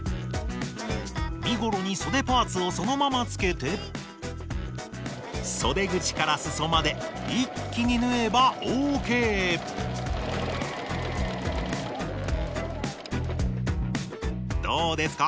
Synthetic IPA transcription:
mʲiɡo̞ɾo̞ɲ̟iso̞d̪e̞paːt͡sɨo̞so̞no̞mamat͡sɨ̥ke̞t̪e̞ | so̞d̪e̞ɡɯ̟t͡ɕi̥kaɾasɨso̞mad̪e̞ | ikʲːiɲ̟inɯ̟e̞baʔoːke̞ː | d̪̥o̞ːd̪e̞sɨ̥ka

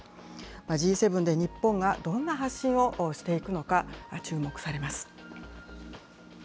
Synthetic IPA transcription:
mad͡ʑiːse̞bɯ̟nd̪e̞ɲ̟ipːõ̞ŋɡad̪õ̞nːaɦaɕĩɰ̃o̞ʔɕi̥t̪e̞ikɯ̟no̞kat͡ɕɨːmo̞kɯ̟̥saɾe̞masɨ̥

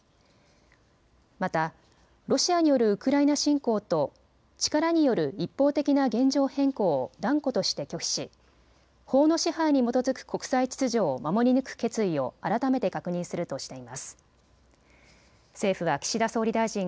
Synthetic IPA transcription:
mat̪a | ɾo̞ɕiaɲijo̞ɾɯ̟ɯkɯ̟ɾainaɕĩŋko̞ːt̪o̞ | t͡ɕi̥kaɾaɲ̟ijo̞ɾɯ̟ipːo̞ːt̪e̞kʲinaɡẽ̞ɲ̟d͡ʑo̞ːhẽ̞ŋko̞ːd̪ãŋko̞t̪o̞ɕi̥t̪e̞kʲo̞kʲi̥ɕi | ho̞ːno̞ɕihaiɲ̟imo̞t̪o̞zɨkɯ̟̥kʰo̞kɯ̟̥sait͡ɕi̥t͡sɨʑo̞ːmamo̞ɾʲinɯ̟kɯ̟̥ke̞t͡sɨio̞aɾat̪ame̞t̪e̞kakɯ̟ɲ̟ĩɰ̃sɨɾɯ̟t̪o̞ɕi̥t̪e̞imasɨ̥ | se̞ːɸɯ̟βakʲi̥ɕid̪aso̞ːɾʲid̪aiʑĩŋ

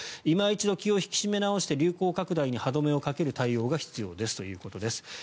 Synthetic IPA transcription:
imait͡ɕid̪o̞kʲio̞çi̥kʲi̥ɕime̞nao̞ɕi̥t̪e̞ɾʲɨːko̞ːkakɯ̟d̪aiɲ̟ihad̪o̞me̞o̞kake̞ɾɯ̟t̪aio̞ːɡaçi̥t͡sɨjo̞ːd̪e̞sɨ̥t̪o̞jɯ̟ːko̞t̪o̞d̪e̞sɨ̥

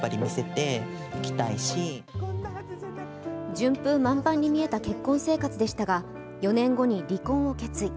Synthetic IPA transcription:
aɾʲimʲise̞t̪e̞ | kʲi̥t̪aiɕi | d͡ʑɨ̃mpɯ̟̃mãmpãɲ̟ːimʲie̞t̪ake̞kːõ̞ɰ̃se̞ːkat͡sɨd̪e̞ɕi̥t̪aɡa | jo̞nẽ̞ŋɡo̞ɲ̟iɾʲikõ̞ɰ̃o̞ket͡sɨi

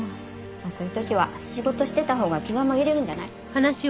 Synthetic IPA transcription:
maso̞ːjɯ̟t̪o̞kʲiβaɕiɡo̞t̪o̞ɕi̥t̪e̞t̪aɦo̞ːɡakʲiɡamaɡʲeɾe̞ɾɯ̟̃ɲ̟d͡ʑana̰i | hanaɕi

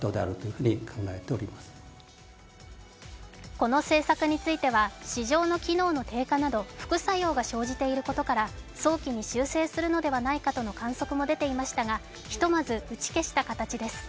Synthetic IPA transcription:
t̪od̪ea̰ɾɯ̟t̪ojɯ̟ɸɯ̟ːɲ̟ikʰãŋɡaet̪eoɾʲimasɨ̥ | ko̞no̞se̞ːsakɯ̟ɲ̟it͡sɨit̪e̞βaɕiʑo̞ːno̞kʲino̞ːno̞t̪e̞ːkanad̪o̞ɸɯ̟̥kɯ̟sajo̞ːɡaɕo̞ːʑit̪e̞iɾɯ̟ko̞t̪o̞kaɾaso̞ːkʲiɲ̟iɕɨːse̞ːsɨɾɯ̟no̞d̪e̞βanaikat̪o̞no̞kãɰ̃so̞kɯ̟mo̞d̪e̞t̪e̞imaɕi̥t̪aɡa | çi̥t̪o̞mazɨɯ̟t͡ɕi̥ke̞ɕi̥t̪akat̪at͡ɕid̪e̞sɨ̥

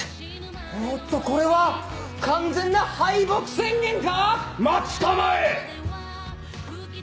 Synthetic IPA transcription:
mot̪ːo̞ko̞ɾe̞βa | kãnd͡zẽ̞nːahaibokɯ̟̥sẽ̞ŋɡʲẽ̞ŋkamat͡ɕi̥t̪amae

